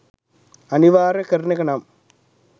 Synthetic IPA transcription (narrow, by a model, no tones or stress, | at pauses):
ɐniʋaːɾɐkɐɾnɐkɐnaːm